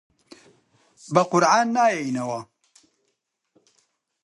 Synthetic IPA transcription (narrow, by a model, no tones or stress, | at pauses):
baqʊɾʕanːajejnawa